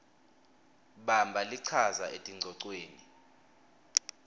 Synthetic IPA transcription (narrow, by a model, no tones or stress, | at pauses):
ɓambʱaliǀʰazaʔetʼiŋ͡ǀʱɔǀweːni